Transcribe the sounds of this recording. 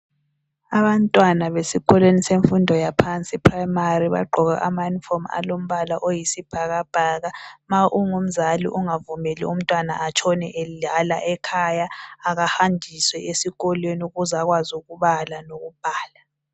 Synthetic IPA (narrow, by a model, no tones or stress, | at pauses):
aβantʼwanaβesiɣɔlweniseɱfundʱɔjapʰant͡sʼipʰrajmariβa̰ɡ͡ǃʱɔɣa̰ʔamajunifɔma̰lom̩βalaʔojisib̥ʱaɣab̥ʱaɣamaʔuŋum̩zalḭʔuŋavumɛlḭum̩tʼwana̰ʔat͡ʃʰɔnɛ̰ʔelialaʔɛkʰajaːɣahandʱiswɛʔesiɣɔlwenuɣuzaɣwazuɣuβalanoɣub̥ʱaːla